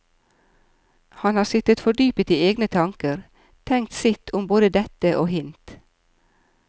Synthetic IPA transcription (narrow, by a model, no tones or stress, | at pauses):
hɑnhɑːsɪt̪ət̪fɔɖyːpət̪iːeːɡnət̪ʰɑŋkəɾ | t̪ʰɛŋ̚t̪sɪt̪ʰʊmboːd̪əd̪ɛt̪əʔoːhɪnt̪